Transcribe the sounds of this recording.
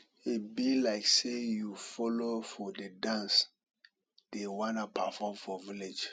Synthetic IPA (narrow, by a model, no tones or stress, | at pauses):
ibilaɪksejufɔlofɔdedãns | d̥ewãnapʰafɔ̃mfɔviled͡ʒ